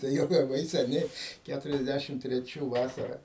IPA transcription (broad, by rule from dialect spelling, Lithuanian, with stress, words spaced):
ˈtɐɪ jɛʊ lˠɐˈbɐɪ sʲɛˈnʲɛɪ ˈkʲætʊrʲɛzʲˌdʲæʃʲɪm tʲrʲɛˈt͡ʃʲuː ˈʋɑːsɐrɐ